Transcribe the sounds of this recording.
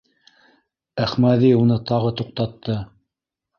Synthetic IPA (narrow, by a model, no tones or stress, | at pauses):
æχmæðiunɤt̪ɑʁɤt̪uq̚t̪ɑt̪ːɤ